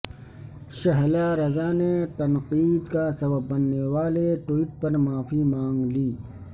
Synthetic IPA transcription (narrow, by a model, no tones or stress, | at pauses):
ʃɐɦlaːɾɐzaːnet̪ɐnqiːd̪kasɐbɐbːɐnːewaːleʈoːiʈ̚pɐɾmaːfimãːŋɡliː